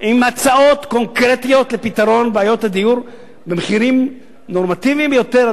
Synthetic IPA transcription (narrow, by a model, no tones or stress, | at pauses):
ʔimat͡sao̞t̪ko̞ŋkʁet̪ijo̞t̪le̞pit̪aʁo̞nbeajo̞thad̪ijuʁ | bemeχiʁim | no̞ʁmat̪ivimbjo̞t̪e̞ʁ